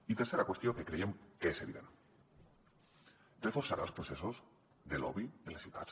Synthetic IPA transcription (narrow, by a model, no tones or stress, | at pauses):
it̪eɾseɾakwe̞st̪joŋkekɾeemkeeseβḭðḛn | refoɾsaɾalospɾoθesoz | ðelo̰βienlesit̪at͡ʃ